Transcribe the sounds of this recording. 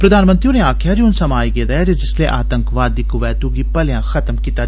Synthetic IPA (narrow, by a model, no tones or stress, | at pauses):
pɾəd̪aːnmənt̪ɾioneaːkʰjaːd͡ʒiʊnsəmaːiɡeːd̪ad͡ʒed͡ʒɪslḛːʔaːt̪ə̃ŋkʋaːd̪ɪkʊʋɛːt̪uɡiːpəlejãːxʰət̪mkiːt̪aː